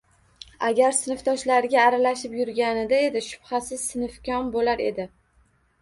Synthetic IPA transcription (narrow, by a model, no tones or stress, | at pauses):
aɡʲaɾsɪnɨft̪ʰɒʃlaɾɪɡʲaːɾalaʃɪpjʊɾɡʲanɪd̪ae̞d̪ɪʃʊ̥b̥χasɪzsɪnɪfkʲɒnbolaɾe̞̰d̪ɪ